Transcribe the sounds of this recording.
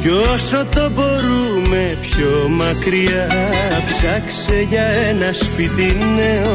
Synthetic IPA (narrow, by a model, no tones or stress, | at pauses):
josot̪oboɾumepçomɐkɾiapsɐkseʝɐenɐspit̪inːe